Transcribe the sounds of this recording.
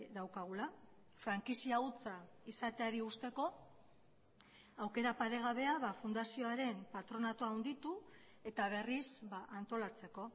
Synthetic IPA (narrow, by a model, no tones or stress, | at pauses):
d̪awkaɣ̞ula | fɾaŋkisiaut͡sa | isat̪e̞aɾiust̪e̞ko̞ | awke̞ɾapaɾe̞ɣ̞aβe̞aβafund̪asio̞aɾe̞mpat̪ɾo̞nat̪oawnd̪it̪u | e̞t̪aβ̞e̞risbaʔant̪o̞lat͡se̞ko̞